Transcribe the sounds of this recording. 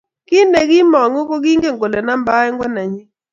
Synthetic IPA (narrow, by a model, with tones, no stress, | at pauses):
kɪ˦ne˨ɡɪ˦mɔ˨ŋo˦kɔ˦ɡi˦ŋɡe˦ŋɡo˨lɛ˨na˦mba˦ɛ˦ŋɡwɛ˦na˨ɲɪ˦